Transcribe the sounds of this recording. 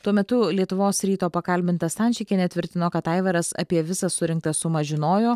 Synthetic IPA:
t̪uɔmʲɛt̪ʊlʲiɛt̪ʊʋoːsɾʲiːt̪oːpɐkɐlʲbʲɪnt̪ɐsɐnʲt͡ʃʲɪkʲɛnʲɛt̪ʲʋʲɪɾʲt̪ʲɪnoːkɐt̪ɐɪʋʲɛɾɐssɐ̰pʲiɛʋʲɪsɐssʊɾʲɪŋk̚t̪ɐssʊmɐʒʲɪnoːjoː

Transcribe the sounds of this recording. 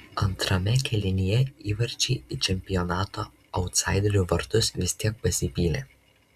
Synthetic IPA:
ɐnt̪ɾɐmʲɛkʲʰɛlʲɪnʲijɛiːʋɐɾʲt͡ʃʲɛɪɪt͡ʃʲɛmʲpʲɪjɔnɑːt̪oː | ɐʊt̪sɑˑɪd̪ʲɾʲuːʋɐɾt̪ʊsʋʲɪsʲt̪ʲiɛk̚pɐsʲɪpʲiːlʲeː

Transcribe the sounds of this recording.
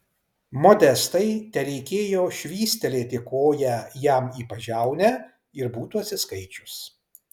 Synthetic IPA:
mɔd̪ʲɛst̪ɐɪt̪ʲɛɾʲɛɪkʲeːjoːʃʲʋʲiːsʲt̪ʲɛlʲeːt̪ʲɪkoːjɛjæmiːpɐʒʲæˑʊnʲɛ | ɪɾbuːt̪uɐt̪sʲɪskɐɪt͡ʃʲʊs

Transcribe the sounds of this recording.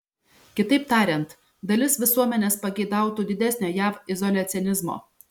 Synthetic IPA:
kʲɪt̪ɐɪp̚t̪ɑːɾʲɛnt̪ | d̪ɐlʲɪsʋʲɪsuɔmʲɛnʲeːspɐɡʲɛɪd̪ɑˑʊt̪uːd̪ʲɪd̪ʲɛsʲnʲoːjæːfɪzɔlʲɐt̪sʲɪɛnʲɪzmo̰ː

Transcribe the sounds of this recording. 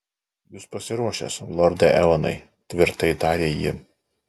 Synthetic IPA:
jʊspɐsʲɪɾuɔʃʲḛːslˠɔɾd̪ɐʔɛɔnɐ̰ɪ | t̪ʲʋʲɪɾt̪ɐɪd̪ɑːɾʲeːjɪ̰

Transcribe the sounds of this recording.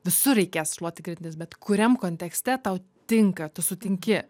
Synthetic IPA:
ʋʲɪsʊɾʲɛɪkʲeːsʃlˠuɔt̪ʲɪkɾʲɪt̪ʲɪnʲɪsbʲɛt̪kʰʊɾʲɛmkoːnʲt̪ʲɛksʲt̪ʲɛt̪ɐʊ | t̪ʲɪŋkɐt̪ʊsʊt̪ʲɪŋʲkʲɪ

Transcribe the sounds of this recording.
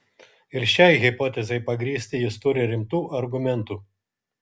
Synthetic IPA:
ɪɾʃʲɛɪɣʲɪpɔːt̪ʲɛzʲɛɪpɐɡɾʲiːsʲt̪ʲɪjɪst̪ʊɾʲɪɾʲɪmt̪uːʔɐɾɡʊmʲɛnˑt̪uː

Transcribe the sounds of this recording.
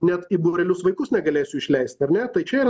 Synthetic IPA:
nʲɛt̪iboɾʲɛlʲʊsʋɐɪkʊsnʲɛɡɐlʲeːsʲʊɪʃʲlʲɛɪsʲt̪ɐɾnʲɛt̪ɐɪt͡ʃʲɛiːɾ

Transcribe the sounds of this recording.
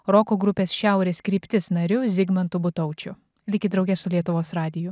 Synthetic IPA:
ɾɔːkoːɡɾʊpʲeːsʃʲæˑʊɾʲeːskɾʲiːpʲt̪ʲɪsnɐɾʲʊzʲɪɡmɐnt̪ʊbʊt̪ɐʊt͡ʃʲʊ | lʲɪkʲɪd̪ɾɒʊɡʲɛsʊlʲiɛt̪ʊʋoːsɾɑːd̪ʲɪjʊ

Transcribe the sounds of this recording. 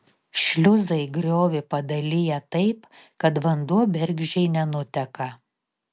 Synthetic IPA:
ʃʲlʲʊzɐɪɡɾʲoːʋʲɪpɐd̪ɐlʲɪjɛt̪ɐɪp | kɐt̪ʋɐnd̪uɔbʲɛɾʲɡʲʒʲɛɪnʲɛnʊt̪ʲɛkɐ

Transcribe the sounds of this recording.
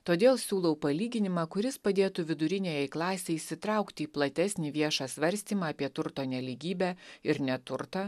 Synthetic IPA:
t̪oːd̪ʲeːlˠsʲuːlˠɐʊpɐlʲiːɡʲɪnʲɪmɑːkʊɾʲɪspɐd̪ʲeːt̪uːʋʲɪd̪ʊɾʲɪnʲeːjɛɪklˠɑːsʲeɪsʲɪt̪ɾɑˑʊkt̪ʲiːplˠɐt̪ʲɛsʲnʲiːʋʲiɛʃɑːsʲʋɐɾʲsʲt̪ʲiːmɑːpʲiɛt̪ʊɾt̪oːnʲɛlʲiɡʲiːbʲæːɪɾnʲɛt̪ʊɾt̪ɑː

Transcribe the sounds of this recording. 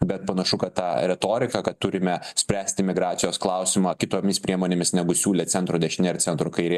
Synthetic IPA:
bʲɛt̪̚pɐnɐʃʊkɐt̪t̪ɑːɾʲɛt̪oːɾʲɪkɐkɐt̪̚t̪ʊɾʲɪmʲɛsʲpʲɾʲæːsʲt̪ʲɪmʲɪɡɾɑːt̪ʲɪjoːsklˠɑʊsʲɪmɑːkʲɪt̪oːmʲɪspʲɾʲiɛmoːnʲemʲɪsnʲæɡʊsʲuːlʲeːt̪sʲɛnt̪ɾoːd̪ʲɛʃʲɪnʲɛɪrtsʲɛnt̪ɾʊkɐɪɾʲeː

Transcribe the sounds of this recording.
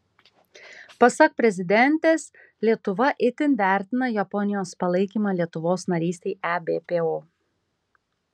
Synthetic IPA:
pɐsɐk̚pʲɾʲɛzʲɪd̪ʲɛnʲt̪ʲeːs | lʲiɛt̪ʊʋɐʔɪt̪ʲɪnʋʲæːˑɾʲt̪ʲɪnɐjɛpɔnʲɪjoːspɐlˠɐɪkʲiːmɑːlʲiɛt̪ʊʋoːsnɐɾʲiːsʲt̪ʲɛɪʔæbʲeːpʲeːoː

